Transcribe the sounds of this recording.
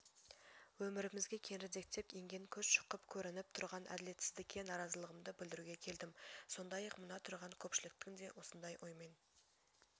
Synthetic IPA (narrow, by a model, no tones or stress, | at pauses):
wɵmɪɾɪmɪzɡʲe̞kʲʰe̞nɾɪd̪e̞k̚t̪e̞pjeŋɡʲe̞ŋkʲʰɵzʃə̥qəpkʲʰɵɾɪnɪp̚t̪ʰʊɾʁɑnʔæ̰d̪ɪle̞t̪sɪzd̪ɪkʲːe̞nɑɾɑzəlˠəʁəmd̪əbɪld̪ɪɾuɡʲe̞kʲʰe̞ld̪ɪmso̞nd̪ɑjɑqmʊnɑt̪ʰʊɾʁɑŋkʲʰɵpʃɪlɪk̚t̪ɪŋd̪e̞wo̞sənd̪ɑjʔojmen